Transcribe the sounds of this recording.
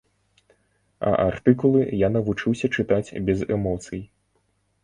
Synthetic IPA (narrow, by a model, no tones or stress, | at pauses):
ɐ̰ʔart̪ɨkulˠɨjanɐvut͡ʂɨwsʲɐt͡ʂɨt̪at͡sʲbʲɛzɛmɔt̪sɨj